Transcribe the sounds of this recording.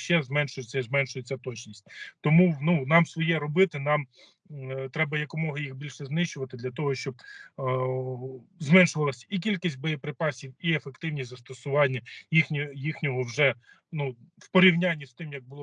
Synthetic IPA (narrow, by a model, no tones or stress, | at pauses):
ʃɛzmɛnʃʊjet͡sʲɐizmɛnʃʊjet͡sʲːɐt̪ɔt͡ʃnʲisʲtʲt̪ɔmununɑmsʋɔjɛɾɔbɪt̪ɪnɑm | t̪ɾɛbɐjɐkɔmɔɦɐjixbʲilʲʃɛznɪʃt͡ʃʊʋɐt̪ɪd̪lʲɐt̪ɔɦɔʃt͡ʃɔb̚ | zmɛnʃʊʋɐlˠɐsʲik̬ʲilʲkisʲt̚ʲbɔjepɾɪpɑsʲiwiefekt̪ɪwnʲizɐst̪ɔsʊʋɑnʲːɐjixnʲijixnʲɔɦɔwʒɛ | nuwpɔɾʲiwnʲanʲːist̪ɪmjɐɡ̚bʊlˠɔ